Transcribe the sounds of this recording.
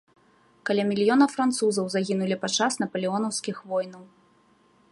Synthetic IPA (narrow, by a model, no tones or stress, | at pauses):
kalʲamʲilʲijɔnɐfɾant̪suzɐwzaɣʲinulʲipat͡ʂasnɐpɐlʲiɔnɐwskʲixvɔjnɐw